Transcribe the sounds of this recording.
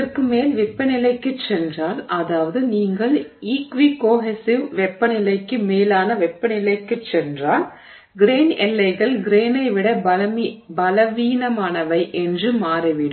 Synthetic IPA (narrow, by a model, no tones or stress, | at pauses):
ɐrkɯmeːlʋɪpːɐnɪlɐɪkːɯt͡ʃːɛndraːlʔɐðaːʋɐðɯniːŋɡɐɭiːkʋikoːɦɛsɪʋʋɛpːɐnɪlɐɪkːɯmeːlaːnɐʋɛpːɐnɪlɐɪkːɯt͡ʃːɛndraːl | ɡɪɾeːnɛlːɐɪɣɐɭɡɪɾeːnɐɪʋɪɽɐ | bɐlɐʋiːnɐmaːnɐʋɐɪʔɛndrɯmaːrɐʋɪɽɯ